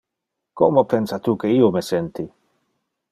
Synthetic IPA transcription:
kɔ̰mopɛnsat̪uːkeiːomɛsɛnt̪i

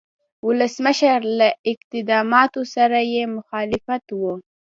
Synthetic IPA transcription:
wʊləsməʃaɾlaʔɪq̚t̪ɪd̪ɑmɑt̪osaɾajemʊxɑlɪfat̪wu

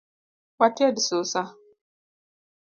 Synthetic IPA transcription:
watʰɪɛdɪsʊsa

